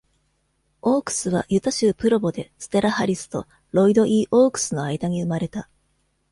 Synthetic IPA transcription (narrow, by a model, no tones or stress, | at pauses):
o̞ːkɯ̟̥sɨβ̞a̰jɯ̟t̪aɕɨːpɯ̟ɾo̞bo̞d̪e̞sɨ̥t̪e̞ɾahaɾʲisɨ̥t̪o̞̰ | ɾo̞id̪o̞ʔiːʔo̞ːkɯ̟̥sɨno̞aid̪aɲ̟iɯ̟maɾe̞t̪a